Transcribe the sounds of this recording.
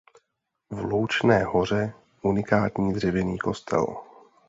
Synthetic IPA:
vluwt͡ʃnɛːɦo̞r̝ɛ | ʔunɪkaːt̪ɲiːd̪r̝ɛvɪniːko̞st̪ʰɛ̰l

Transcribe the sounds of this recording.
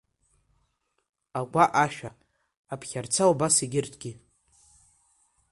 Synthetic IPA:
aɡʷaʔaʃᶣa | apʰχʲart͡sʰaubasiɡʲɪrtʰʼɡ̥ʲɪ

